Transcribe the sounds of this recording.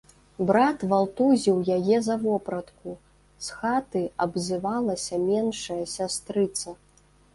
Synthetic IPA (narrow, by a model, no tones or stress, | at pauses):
bɾat̪valˠt̪uzʲiwjajɛzɐvɔpɾɐt̪ku | sxat̪ɨɐbzʲɨvalˠɐsʲɐmʲɛnʂɐjɐsʲast̪ɾɨt̪sɐ